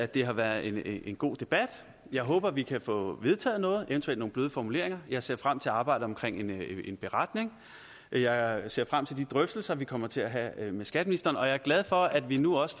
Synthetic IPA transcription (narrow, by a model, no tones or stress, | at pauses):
æd̥e̝ɦɑ̈ʋæɐð̩ˠe̝ne̝nɡ̥o̝̰ːd̥e̝b̥æd̥ | jɑ̈ɪɦɔ̽ːb̥ɐʋikʰæfɔ̽ʋe̝ð̞ˠt͡sʰɛ̰ːð̞̩ˠnɔ̽ːð̩ˠʔe̝nt͡sʰuel̰d̥no̝ːŋnb̥løːð̞ˠəfɒmule̝ɐeŋɐjɑ̈ɪse̝ɐfʁam̰t͡sʰe̝ɑ̈ːb̥ɑ̈ɪ̰dð̩əɒ̽mkʰʁeŋ̰ene̝nb̥e̝ʁɑd̥ne̝ŋ | jɑ̈ɪse̝ɐfʁam̰t͡sʰe̝ld̥id̥ʁœfd̥l̩sɐʋikʰɒ̽m̰ɐt͡sʰe̝æɦæmesɡ̥æd̥əminisd̥ɐːnɒ̽jɑ̈ɪæɐɡ̥læð̞ˠfɒ̽æd̥ʋinuɒ̽s